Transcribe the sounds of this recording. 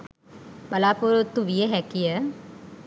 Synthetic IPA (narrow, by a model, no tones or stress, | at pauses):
balaːpuɾut̪ːuʋijəɦɛkijə